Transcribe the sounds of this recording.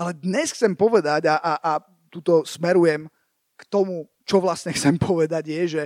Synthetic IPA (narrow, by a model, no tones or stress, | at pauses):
alɛd̪ɲɛsxt͡sɛmpɔʋɛd̪aɟaʔaʔa | t̪uːt̪ɔsmɛɾujɛm | kt̪ɔmu | t͡ʃɔʋlasɲɛxt͡sɛmpʰɔʋɛd̪aɟjɛʒɛ